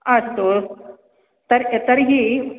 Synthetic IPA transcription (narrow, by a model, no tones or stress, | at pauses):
ast̪o | t̪əɾet̪əɾɦi